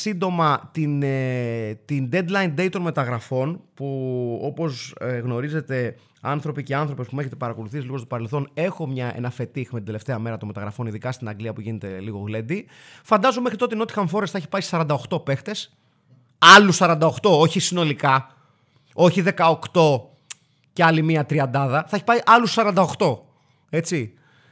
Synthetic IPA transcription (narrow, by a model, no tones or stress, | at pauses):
sind̪o̞mɐt̪in | t̪ind̪e̞d̪lɐjind̪e̞it̪o̞nme̞t̪ɐɣɾɐfo̞npuo̞po̞zɣno̞ɾize̞t̪e̞ | ɐnθɾo̞piceɐnθɾo̞pe̞spumeçe̞t̪e̞pɐɾɐko̞luθisiliɣo̞st̪o̞pɐɾe̞lθo̞ne̞xo̞mɲɐḛnɐfe̞t̪ixmet̪id̪ele̞ft̪e̞ɐme̞ɾɐt̪onme̞t̪ɐɣɾɐfo̞niðikɐst̪inɐɡliɐpuʝinet̪e̞liɣo̞ɣle̞nd̪i | fɐnd̪ɐzumexɾit̪o̞t̪eino̞t̪i̥xɐɱfo̞ɾesθɐeçi̥pɐisɐɾɐnd̪ɐoxt̪o̞pe̞xt̪e̞s | ɐlussɐɾɐnd̪ɐo̞xt̪o̞oçisino̞likɐ | o̞çiðe̞kɐo̞kt̪o̞ | ceɐlimiɐt̪ɾiɐnd̪ɐðɐθɐeçi̥pɐiʔɐlussɐɾɐnd̪ɐoxt̪o̞ | e̞t͡si